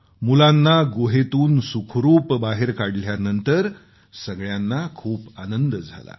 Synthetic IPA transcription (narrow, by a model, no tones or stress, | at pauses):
mulanːaɡoɦet̪uːnsukʰɾuːpbaɦeɾkaɽljanənt̪əɾ | səɡɭjanːakʰuːpanənd̪d͡zʱa̰la̰